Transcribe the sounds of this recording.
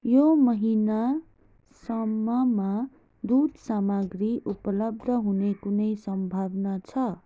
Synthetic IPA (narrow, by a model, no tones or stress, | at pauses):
jomʌɦina | sʌmːʌma | d̪ud̪samaɡriʔupʌlʌb̚d̪ʱʌɦunekunʌjsʌmbʱabnat͡sʰʌ